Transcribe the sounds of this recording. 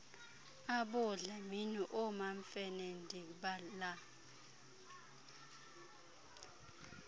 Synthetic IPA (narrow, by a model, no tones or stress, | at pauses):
aɓʊɮɛminuʔɔmaɱfɛnɛndʱikɓala